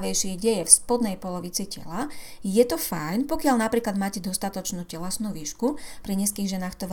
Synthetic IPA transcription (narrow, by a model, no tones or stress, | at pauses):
ʋɛjʃɪɛɟɛjɛfspɔd̪nɛjpɔlɔʋit͡sicɛ̰lajɛt̪ɔfajnpɔkɪaʎnapɾiːklad̪maːcɛd̪ɔst̪at̪ɔt͡ʃnuːcɛlɛsnuːʋiːʃkupɾiɲɛskiːɣʒɛnaːxt̪ɔʋ